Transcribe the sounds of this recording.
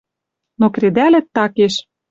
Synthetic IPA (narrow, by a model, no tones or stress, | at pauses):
nokɾed̪ælɘ̆t̪ːɑkeʃ